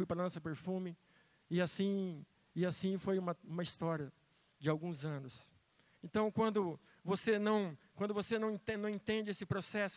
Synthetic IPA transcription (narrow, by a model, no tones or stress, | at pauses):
fujpɾɐlɐ̃sɐpeɾfũmɪ | ɪasĩ | ɪasĩfojũmɐũmɐist̪ɔɾiɐ | d͡ʒɪawɡũzɐ̃nʊs | ẽnt̪ɐ̃w̃kwɐ̃nd̪ʊ | vosenɐ̃w̃kwɐ̃nd̪ʊvosenɐ̃w̃ẽt̪enɐ̃w̃ẽt̪ẽnd͡ʒɪesɪpɾosɛsʊ̥